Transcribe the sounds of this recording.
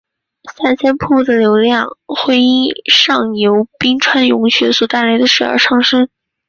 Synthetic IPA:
sa˥˩nɕjɛ˥npʰu˥˩d̪ə˩ljo˧˥ʊljɑ˥˧ŋxwe˥ɪi˥ʂɑ˥˩ŋjo˧˥ʊpi˥ŋʈ͡ʂʰwa˥njʊ˧˥ŋɕɥɛ̰˧˥swɔ˨˩t̪a˥˩ɪla˧˥ɪd̪ə˧ʂɻ̩˨˩ə̰˞˧˥ʈ͡ʂʰɑ˥˧ŋʂɤ˥n

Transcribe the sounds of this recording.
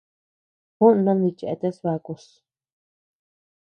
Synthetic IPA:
hũ˦nã˦nði˧t͡ʃe˧ʔe˧t̪e˦sβa˧ku˧s

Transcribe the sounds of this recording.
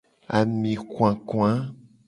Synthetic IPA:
a̰˨mĩ˨kw̃ã˨kũ˦ã˦

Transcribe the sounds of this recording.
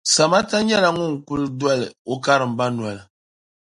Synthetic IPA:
sa˨ma˦ta˦ɲɛ˦la˨ŋʊ˦ŋ˨ku˦ldwa˦lɨ˨o˦ka˦ɾɨ˨m̩˨ba˦n˨a˨la˨

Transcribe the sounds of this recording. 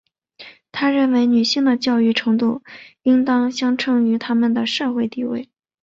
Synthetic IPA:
t̪ʰa˥ɻə˥˩nwe˧˥ɪny˨˩ɕi˥ŋd̪ə˨t͡ɕjɑ˥˧ʊy˥˩ʈ͡ʂʰɤ˧˥ŋt̪u˥˩i˥ŋt̪ɑ˥ŋɕjɑ˥ŋʈ͡ʂʰɤ˥ŋy˧˥t̪ʰa˥mə˨nd̪ə˩ʂɤ˥˧xwe˥˧ɪt̪i˥˧wḛ˥˩ɪ

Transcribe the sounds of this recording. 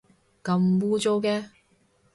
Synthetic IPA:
kɐ˧mwuː˧˥t͡so˧wkɛː˧

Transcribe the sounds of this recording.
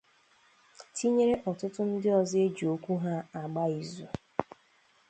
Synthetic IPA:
tʰi˦ɲe˦ɾe˦ʔɔ˨tʊ˦tʊ˦n̩˦dɪ˦ɔ˨ze˦d͡ʒi˨o˦kʷu˦ɦa˦a˨ɡ͡ba˦i˨zu˨

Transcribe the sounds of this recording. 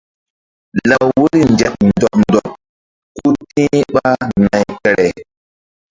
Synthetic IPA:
la˨wu˦ɾi˦nd͡ʒɛ˨k̚ndɔ˨p̚ndɔ˨p̚ | ku˦tĩ˦ɓa˦na˨jkɛ˨ɾɛ˨

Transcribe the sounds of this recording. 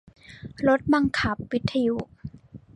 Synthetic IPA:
lo˦˥t̪̚ba˧ŋkʰa˦p̚wi˦t̪ʰːa˧ju˧˥

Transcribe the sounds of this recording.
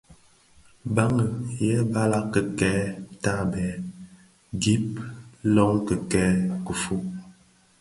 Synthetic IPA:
ba˦ŋə˨jɛ˦ba˦la˦kə˨kɛː˦ta˦bɛ˨˦ | ɡi˦p̚lɔ˦ŋ˦kə˨kɛː˦kə˨fu˦

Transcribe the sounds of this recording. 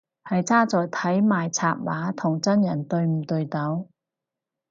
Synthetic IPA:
hɐ˨jt͡sʰaː˥t͡sɔː˨˧jt̪ʰɐ˨˥jmaː˨jt͡sʰaː˧p̚waː˨˥t̪ʰʊ˨˩ŋt͡sɐ˥njɐ˨˩nt̪ɵ˧ɥm̩˨˩t̪ɵ˧ɥt̪ɐ˨˥w

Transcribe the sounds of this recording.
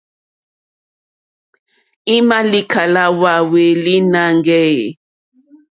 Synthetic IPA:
i˦ma˦li˦kʰa˨la˦wa˨we˨li˦na˦ŋɡɛ˦ḛ˨

